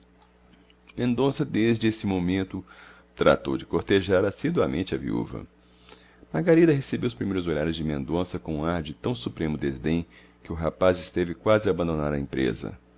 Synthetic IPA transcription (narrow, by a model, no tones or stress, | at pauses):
mẽnd̪õsɐd̪ezd͡ʒɪesɪmomẽnt̪ʊ | t̪ɾa̰t̪owd͡ʒɪkoɾt̪eʒaɾasid̪wamʔẽnt͡ʃɪɐvḭṵvɐ̰ | maɾɡaɾid̪ɐɦesebewʊspɾimejɾʊzoʎaɾɪzd͡ʒɪmẽnd̪õsɐkõũaɾd͡ʒɪt̪ɐ̃w̃supɾẽmʊd̪ezd̪ẽj̃ | kɪʊɦapazɪst̪evɪkwazɪabɐ̃nd̪onaɾɐẽpɾḛzɐ̰